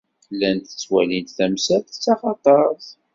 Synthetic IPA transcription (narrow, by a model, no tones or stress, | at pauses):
lːænt̪ət͡sːwælint̪θæmsæt̪t͡sːɑχɑt̪ˤɑs